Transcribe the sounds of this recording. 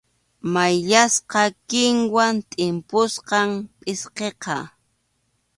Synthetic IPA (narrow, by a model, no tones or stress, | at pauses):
majʎasqɑkɪŋwant̪ʼɪmpʊsqɑmpʼɪsqeqɑ